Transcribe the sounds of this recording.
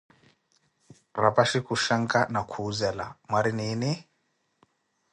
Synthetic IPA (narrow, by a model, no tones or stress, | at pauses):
rapaʃikuʃaŋkʼanakʰuzɛlamwaɾiniːni